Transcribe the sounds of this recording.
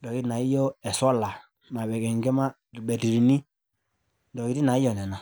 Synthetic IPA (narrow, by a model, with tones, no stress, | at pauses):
ndɔ˨ki˦na˨i˦jɔ˦ɛ˨sɔ˦la˨ | ma˨βɛ˨kɛ˨ŋɡɛ˦ma˦ | ɾi˨bɛ˨ti˨ɾi˨ni˦ | ndɔ˨ki˦ɾi˦na˨i˦jɔ˨nɛ˨na˨